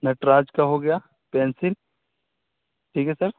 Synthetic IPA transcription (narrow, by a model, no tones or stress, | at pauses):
nɐʈɾaːd͡ʒkaɦoɡɐjaː | pɛ̃ːnsɪl | ʈʰiːkɦɛsɐɾ